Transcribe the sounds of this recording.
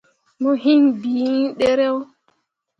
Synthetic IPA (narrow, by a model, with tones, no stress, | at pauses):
mɔ˦ɦi˦nbiː˨i˦ɗɛ˦ɾɛ˦w